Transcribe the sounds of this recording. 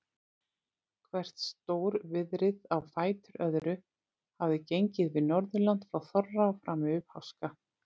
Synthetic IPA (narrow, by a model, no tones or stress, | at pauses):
kʰvɛr̥t̪st̪oːwɾvɪðɾɪðawfaːjt̪ʏɾʔœðɾʏ | havðɪcejɲcɪðvɪðnɔɾðʏlant̪fɾawθɔrːaɔfɾaːmʏphawska